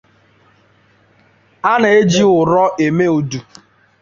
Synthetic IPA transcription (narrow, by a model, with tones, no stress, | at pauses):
a˦na˨e˦d͡ʒi˦ʊ˨ɾɔ˦ʔe˨me˦u˨du˨